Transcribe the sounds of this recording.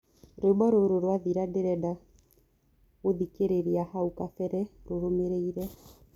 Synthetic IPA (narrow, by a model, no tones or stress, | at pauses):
ɾobaɾoɾoɾwaðiɾadeɾɛda | oðikeɾeɾiahaukafɛɾɛɾoɾomeɾeiɾɛ